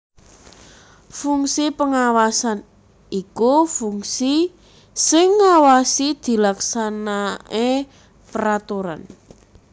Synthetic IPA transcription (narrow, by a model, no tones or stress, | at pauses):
fuŋsipəŋawasan | ikufuŋsi | sɪŋːawasid̪̥i̤laksanae | pəɾat̪uɾa̰n